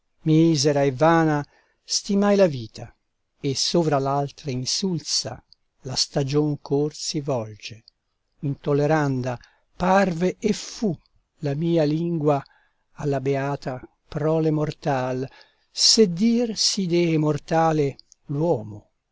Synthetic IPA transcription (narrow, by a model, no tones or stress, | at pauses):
mizeɾaevːaːna | st̪imajlaviːt̪ʰa | esoːvɾalalt̪ɾainsulsa̰ | last̪ad͡ʒoŋkʰorsivɔld͡ʒe | int̪olːeɾand̪a | parveefu | lamiːaliŋɡwa | alːabeaːt̪a | pɾɔːlemort̪al | sed̪ːiːrsid̪ɛmort̪aːlelwɔːmo